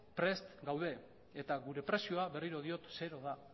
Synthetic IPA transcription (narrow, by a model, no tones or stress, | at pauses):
pɾe̞st̪ɡawð̞e̞ | et̪aɣuɾe̞pɾe̞sioaβe̞riɾoð̞io̞t̪se̞ɾo̞ð̞a